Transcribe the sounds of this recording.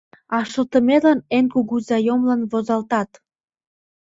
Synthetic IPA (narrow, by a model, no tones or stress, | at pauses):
ɑʃəlt̪ə̆melənenkuɣuzɑjomlɑnβozɑlt̪ɑt̪